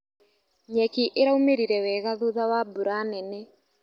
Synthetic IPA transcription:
ɲɛkiʔeɾaumeɾiɾɛwɛɣaðoðawabuɾanɛnɛ

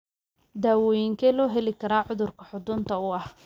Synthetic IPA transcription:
d̪aːwɔːjɪŋkʰɛːlɔːɦɛlɪkʰɐɾaːʕʊðʊrkʰɐħʊd̪ʊːnt̪ʰɐʊɐh

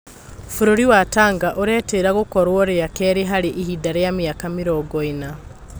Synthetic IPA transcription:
fuɾoɾiwataːŋɡaʔoɾɛːteːɾaɣokɔɾwɔɾeakɛɾeɦaɾeʔihidaɾejamiakamiɾɔːɡɔina

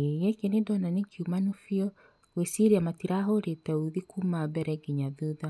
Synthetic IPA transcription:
ejɛkenedɔnanekʰjumanofjɔ | wesiɾiamatiɾaɦoɾetɛoðikumaβɛɾɛɡiɲaðuða

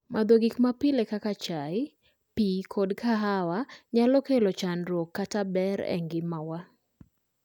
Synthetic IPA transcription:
mad̪oɡikmapɪlekakat͡ʃaɪ | pikʰodkʰaɦawaɲalɔkelɔt͡ʃanɾwokːatabɛɾɛ̰ŋɡɪmawa

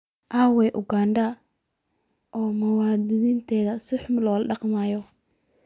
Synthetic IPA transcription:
ʔaːwɛːʔʊɡaːɳɖɐ | ʔɔːmʊwaːd̪ɪnɪnt̪ʰɛːðɐsɪħʊmlɔːlɖɑqmaːjɔ

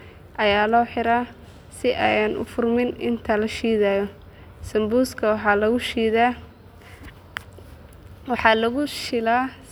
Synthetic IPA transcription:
ʔɐjaːlɔːħɪɾaː | sɪʔɛjanʔʊ̰fʊrmɪnɪ̰nt̪ʰɐlɐʃiːðaːjɔ | sɐmbuːskʰɐwɑlɐɣʊʃ | wħɑlɐɣʊʃɪlaː

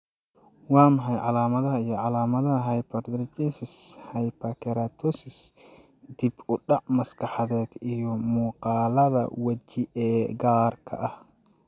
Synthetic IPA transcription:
wɑːmɦɑjʕɑlaːmɐðɐɦɐijɔʕɑlaːmɐðɐɦɐɦɐjpʰɐtd̪ɾt͡ʃɛsɪshɐjpɐkʰɛɾat̪ʰɔsɪs | d̪ibʊɖɑʕmɐskʰɑħɑðɛːd̪ijɔmuːqɑːlɐðɐ̰wɐt͡ʃɪʔɛːɡaːrkʰɐ̰ʔɐh

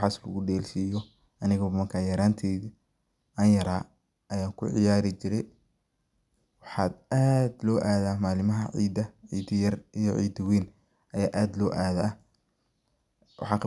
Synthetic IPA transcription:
ħɑːslɐ̰ɣʊɖɛːlsiːjɔ | ɐnɪɣɐmɐrkʰaːjɐɾaːnt̪ʰiː | ʔɐjɐɾaː | ʔɐjaːŋkʰʊ̰ʕɪ̰jaːɾɪt͡ʃɪɾɛj | wɑħɑːd̪aːd̪lɔːʔaːðamaːlɪmɐɦɐʕḭːd̪ɐʕiːd̪ɐjɐrʔijɞʕḭːd̪wiːn | ʔɐjaːʔaːd̪lɔːʔaːð | wɑ̰ħɑːkʰ

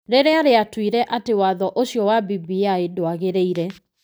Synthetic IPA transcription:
ɾeɾeaɾeatwiɾɛʔatewaðɔʔoɕjɔwabibiaedoaɣeɾeiɾɛ

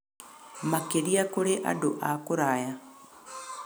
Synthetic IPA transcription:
makeɾiakoɾeʔa̰doʔakoɾaja

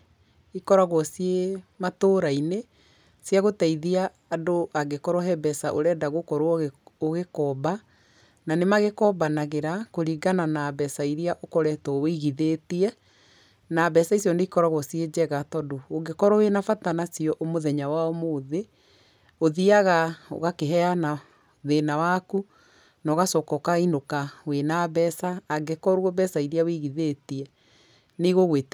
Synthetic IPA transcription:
ikɔɾaɣɔsiematoɾaine | sjaɣotaiðiaː | doʔaɡekɔɾɔɦɛbɛsaʔo̰ɾɛːdaɣokɔɾooɣekɔba | nanemaɣekɔbanaɣeɾakoɾiɡananabɛsaiɾiaʔokɔɾɛtɔweiɣiðeːtiɛ | nabɛsaisjɔneikɔɾaɣwɔsied͡ʑɛɣatɔdooɡekɔɾɔwenafatanasiɔʔomoðɛɲawaɔmoːðe | oðiaɣao̰ɣakeɦɛana | ðenawaku | nɔɣasɔkɔkainokawenabɛsaːɡekɔɾwɔbɛsaiɾiaweɣiðeːtiɛ | niɣoɣweːt

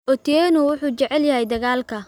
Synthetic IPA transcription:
ʔɔt̪ʰjɛːnʊwʊħuːt͡ʃɛʕɛljɐɦɛjd̪ɐɣaːlkʰɐ

